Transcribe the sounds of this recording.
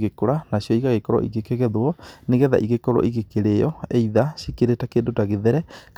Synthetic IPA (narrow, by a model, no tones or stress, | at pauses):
ɣekoɾanasijɔiɣaɣekɔɾɔ̰ʔḭɣekeɣɛðoɔneɣɛða̰ʔiɣekɔɾɔ̰ʔiɣekeɾejɔeiðasikeɾetakendotaɣeðɛɾɛk